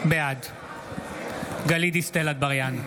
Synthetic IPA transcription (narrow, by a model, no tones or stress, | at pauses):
bead̪ | ɡalid̪ist̪elad̪̚baʁjan